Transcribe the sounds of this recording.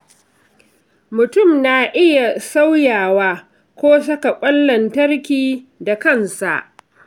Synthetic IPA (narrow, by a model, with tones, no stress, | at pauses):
mʊ˨tʊ˦˨mnaː˨ʔɪ˦ja˨sa˦wjaː˨waː˦ | kʷoː˦s̬ɐ˦ka˨kʷʼɐ˦lːɐ˨ntɐ˦rkʲiː˨da˨kɐ˦˨nsa̰˨ʔ